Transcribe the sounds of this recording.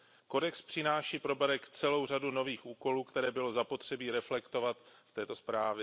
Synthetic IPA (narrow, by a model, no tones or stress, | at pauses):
ko̞dɛkspr̥ɪnaːʃiːpɾo̞baɾɛkt͡sɛlo̞wr̝aduno̞viːxʔuːko̞luːkt̪ɛɾɛːbɪlo̞zapo̞t̪r̝̥ɛbiːɾɛflɛkt̪o̞vat̪ft̪ɛːt̪o̞spɾaːvjɛ